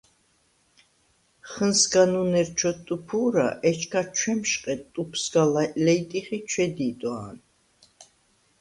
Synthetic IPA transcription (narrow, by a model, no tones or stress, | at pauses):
χənsɡanunɛɾt͡ʃʰɔt̪ʼupʰuːɾa̰ʔɛt͡ʃʰkʰat͡ʃʰwɛmʃqʼɛt̪ʼupʰsɡalalɛjt̪ʼiχit͡ʃʰwɛd̪iːt̪ʼwaːn